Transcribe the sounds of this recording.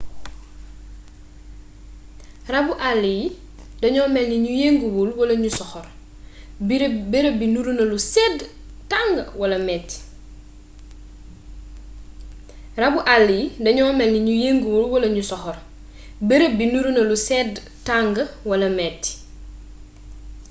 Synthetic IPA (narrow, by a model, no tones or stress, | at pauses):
rɐbuʔalːij | dɐɲɔːmɛlniɲujeŋɡuwulwɐlɐɲusɔxɔr | beɾəbinuɾunɐlusɛd | taŋɡəwɐlɐmɛt | rɐbuʔalːijdɐɲɔːmɛlniɲujeŋɡuwulwɐlɐɲusɔxɔr | beɾəbinuɾunɐlusɛd | taŋɡəwɐlɐmɛt